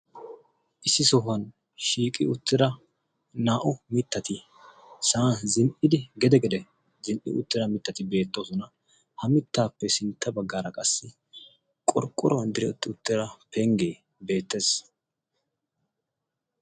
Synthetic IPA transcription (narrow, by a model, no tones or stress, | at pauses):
ʔɪsːɪsɔɦɐn | ʃiːkʼɪ̰ʊt̪ːɪɾɐ | naːʔʊmɪt̪ːɐt̪ɪ | saːzɪnʔɪd̪ɪɡɛd̪ɛɡɛd̪ɛ | zɪnʔɪ̰ʊ̰t̪ːɪɾɐmɪt̪ːɐt̪ɪbe̞ːt̪ːoːsɔnɐ | hɐmɪt̪ːaːpːɛsɪnt̪ʰːɐbɐɡːaːɾɐkʼɐsːɪ | kʼɔɾkʼːʊɾɔnd̪ɪɾɛʊt̪ːɪʊt̪ːɪɾɐpɛŋɡeː | be̞ːt̪ːe̞ːs